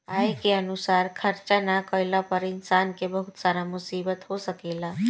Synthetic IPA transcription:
aːekeənusaːɾkʰəɾt͡ʃanakəjlapəɾɪnsaːnkebəɦʊt̪saːɾamʊsiːbət̪ɦosəkeːla

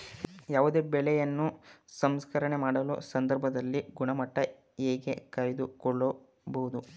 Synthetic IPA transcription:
jaːʋud̪e̞ːbɛɭɛjɐnːusɐmskɐɾɐɳemaːɽɐlṵsɐnd̪ɐɾbʱɐd̪ɐlːiɡuɳɐmɐʈːɐ | eːɡe̞kɐɾed̪ukɔɭːɐ | bɐɦud̪u

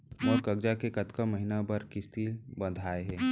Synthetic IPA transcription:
ɔːɾkɐɡd͡ʒakekɐt̪kaməɦinabɐɾkɪst̪iːlbə̃nd̪ʱaːeɦɛː

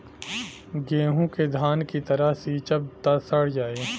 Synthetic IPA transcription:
ɡeːɦõked̪ʱaːnkit̪ɐɾəɦsiːt͡ʃɐb̚t̪asɐɽd͡ʒaːeː

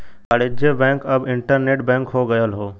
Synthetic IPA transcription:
əɽɪd͡ʒebɛ̃ːŋkɐbɪ̃ɳʈəɾneːʈbɛ̃ːŋkɦoɡəjəlɦoː

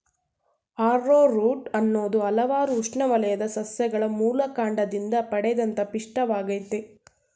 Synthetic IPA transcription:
aːɾːoːɾuːʈɐnːoːd̪uɐlɐʋaːɾuːʂɳɐʋɐlɐjɐd̪ɐsɐsjɐɡɐɭɐmuːlɐkaːɳɖɐd̪ind̪ɐpɐɽɛɐd̪ɐnt̪ɐpiʂʈɐʋaːɡɐjt̪e

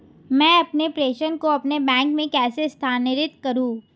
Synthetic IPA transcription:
mɛ̃ːɐpnepɾeːʃənkoɐpnebɛ̃ːŋkmẽkɛːsest̪ʰaːnɪɾɪt̪kɐɾũː

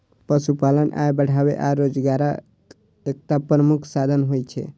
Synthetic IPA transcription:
pəsupalənʔa̰jbəɽ̤ʱaʋḛʔaɾod͡ʒɡaɾa | ek̚t̪apɾəmukʰsad̪ʱənɦojt͡ʃʰḛ

